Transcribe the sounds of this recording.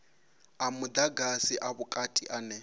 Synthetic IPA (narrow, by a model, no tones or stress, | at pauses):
amʊd̪aɡasiʔaβʊkʼatʼiʔanɛ